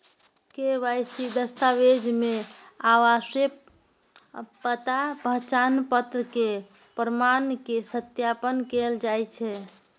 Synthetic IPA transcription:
keʋajsid̪əst̪aʋed͡ʒmeaʋase | pət̪apəɦt͡ʃanpət̪ɾəke | pɾəmankesət̪japənkeld͡ʒajt͡ʃʰɛ

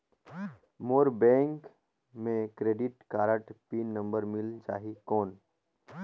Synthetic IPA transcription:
moːɾbɛ̃ːŋk | mẽkɾeːɖɪʈkaːɾəʈpiːnːə̃mbəɾmɪld͡ʒa̰ːɦikɔːn

